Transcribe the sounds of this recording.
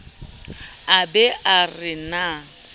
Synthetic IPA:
abɛʔarɪna

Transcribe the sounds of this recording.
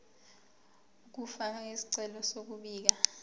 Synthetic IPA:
uk̬ufaesi̥ǀɛlɔsok̬uɓiːk̬a

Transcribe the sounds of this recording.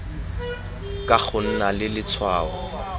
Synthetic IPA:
kʼak͡xʰʊn̩nalɪlɪt͡sʰwaːɔ

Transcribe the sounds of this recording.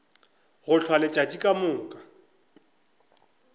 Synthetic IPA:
ɣʊɬʰwalɪt͡ʃʼatʼikʼamʊːŋ̩kʼḁ

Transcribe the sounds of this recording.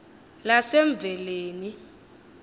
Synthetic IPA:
lasɛɱb̪vʱɛleːni

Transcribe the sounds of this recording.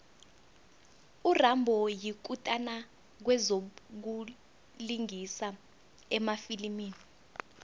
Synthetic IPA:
urambʱɔjik̬utʼana | k̬wɛzok̬u | liŋisa | ɛmafilimiːni

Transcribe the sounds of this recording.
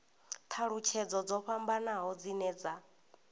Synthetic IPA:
t̪ʰaɺut͡ʃʰɛd͡zɔd͡zɔɸambanaɦɔd͡zinɛːd͡za

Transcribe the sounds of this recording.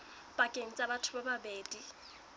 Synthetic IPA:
pʼakʼeŋ̩t͡sʼabatʰʊbababeːdi

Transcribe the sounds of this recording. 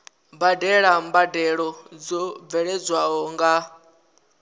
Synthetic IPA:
mbadɛɺambadɛɺɔd͡zɔb̪vɛɺɛd͡zwaɦɔŋɡa

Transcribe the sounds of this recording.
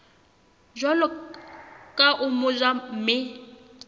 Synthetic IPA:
ʒɔlɔ | kʼaʔʊmʊd͡ʒam̩mɪ

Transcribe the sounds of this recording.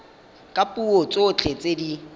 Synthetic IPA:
kʼapʼuot͡sʼot͡ɬʼet͡sʼedi

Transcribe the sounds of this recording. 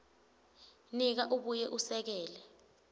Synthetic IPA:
nik̬aʔuɓujɛʔusɛk̬ɛːlɛ

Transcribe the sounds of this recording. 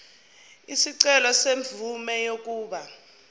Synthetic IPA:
isiǀɛlɔseɱvumɛjok̬ʼuːɓa

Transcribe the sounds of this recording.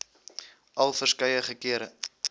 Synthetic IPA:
ʔɐlˠfərskɐjəχəkiəɾə

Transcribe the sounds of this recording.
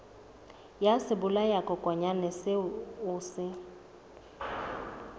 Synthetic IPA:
jasɪbʊlajakʼɔkʼwaɲanɛsɪʊːsɪ

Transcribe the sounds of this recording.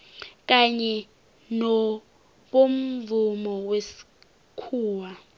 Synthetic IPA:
k̬aɲɛ | nɔ | ɓom̩vumɔwesi̥ | kʰuːwa

